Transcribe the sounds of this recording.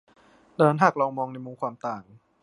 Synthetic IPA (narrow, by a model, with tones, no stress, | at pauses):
daː˧na˦˥nɦaː˨˩k̚lɔː˧ŋmɔː˧ŋna˧jmuː˧˩kʰwaː˧mt̪aː˨˩ŋ